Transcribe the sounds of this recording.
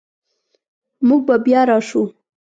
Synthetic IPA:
muɡ̚babjɑɾɑʃu

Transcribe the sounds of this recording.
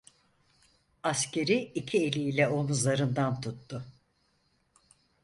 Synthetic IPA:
ascʰe̞ɾiicʰie̞lʲiːlʲɛo̞nuzaɾɯnd̪ant̪ʰut̪ːʊ

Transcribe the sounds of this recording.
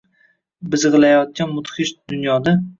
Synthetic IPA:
bɪzɨʁɨlˠajɒt̪̚kʲanmʊt̪χɪʃd̪̥ʊnjɒd̪a

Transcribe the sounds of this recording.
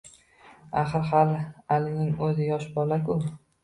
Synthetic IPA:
aχɨɾχalˠalɪnɪŋɵzɪjɒʃbɒlakʲʰʊ

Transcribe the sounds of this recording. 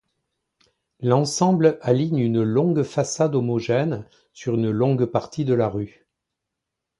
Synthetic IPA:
lɑ̃sɑ̃blaliɲynlɔ̃ɡfasad̪omɔʒɛn | syʁynlɔ̃ɡpaʁt̪ʰid̪əlaʁy

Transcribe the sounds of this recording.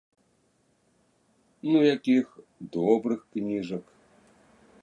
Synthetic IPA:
nujakʲix | d̪ɔbɾɨxknʲiʐɐk

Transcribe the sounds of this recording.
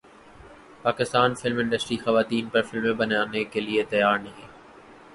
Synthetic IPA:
paːkɪst̪aːnfɪlmɪ̃ɳɖəsʈɾixɐʋaːt̪iːnpɐɾfɪlmẽbɐnaːnekeliet̪ɐjaːɾnɐɦĩː

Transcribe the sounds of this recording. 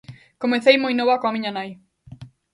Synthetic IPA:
komeθejmojnoβɐkõamĩɲanaj

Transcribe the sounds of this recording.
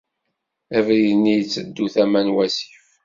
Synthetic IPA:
ævɾinːijət͡sːəd̪ːuθæmænwæsi̥f

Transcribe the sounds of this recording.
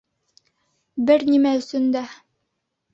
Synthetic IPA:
bɘɾnimæɵ̆sɵ̆nd̪æ

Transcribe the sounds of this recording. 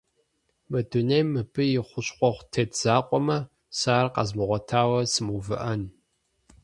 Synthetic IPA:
mɐdunejmɨpʰɨjɪχʷʊɕqʷɔχʷtʰetʰz̥aːqʷʼɔmɐ | saːrqɑ̰zmɨʁʷɔtʰaːwɐsɨmuvɨ̰ʔɐn

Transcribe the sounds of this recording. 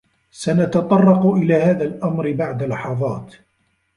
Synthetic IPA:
sanat̪ɑt̪ˤɑrˤːɑqʊʔɪlaːhaːðalʔamɾɪbaʕd̪alɑħɑðˤɑ̰ːt̪

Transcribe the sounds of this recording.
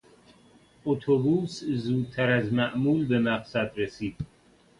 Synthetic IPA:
ot̪ʰobuːszuːd̪̚t̪ʰæɾæzmæʔmuːlbemæqsæd̪ɾesiːd̪̥

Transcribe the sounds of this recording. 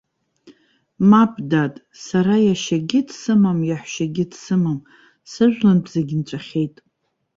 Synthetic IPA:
mapʼdatʼ | saɾajaʃaɡʲɪdsɨmamjaħʷʃaɡʲɪdsɨmam | sɨʒᶣʷlanpʰzeɡʲɪnt͡ɕʷʰʼaχʲe̞jtʼ

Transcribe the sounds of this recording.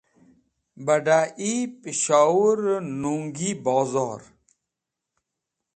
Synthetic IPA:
bɐɖaːʔipiɕaːuɾnuːŋɡiːbaːzaːɾ

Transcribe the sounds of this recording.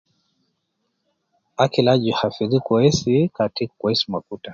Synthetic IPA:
akilad͡ʒihafiɾikɔɛsikatikwɛsmakuta

